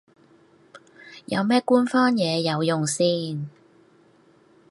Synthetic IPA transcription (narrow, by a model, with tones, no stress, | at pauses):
jɐ̰˨˧wmɛː˥kuː˥nfɔː˥njɛː˨˧jɐ˨˧wjʊ˨˩ŋsiː˥n